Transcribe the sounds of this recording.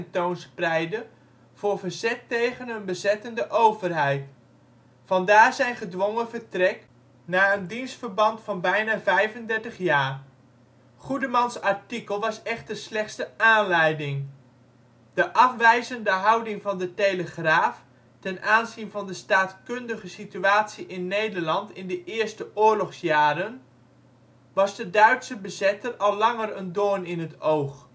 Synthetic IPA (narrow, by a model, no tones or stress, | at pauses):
ɛntownsprɛjdə | v̥ʊːɹvərzɛtːejχənɦənbəzɛtəndəʔowvərɦɛjt | fɑndaːrzɛjnχədʋoŋəvərtrɛk | naːəndinstfərbɑntfɑnbɛjnaːvɛjvəndɛɹtəχjaːr | χudəmɑnsɑɹtikəlˠʋɑsɛχtəslɛχtstəaːnlɛjdɪŋ | d̥əʔɑfʋɛjzəndəɦɑwdɪŋvɑndətejləχraːf | tɛnaːnzinvɑndəstaːtkøndəχəsityaːtsiʔɪnːejdəɹlɑntɪndəʔɪːɹstəʔʊːɹlɔχsjaːɾən | ʋɑzdədœɥtsəbəzɪtərɑlˠːɑŋərəndoːnɪnɦətowχ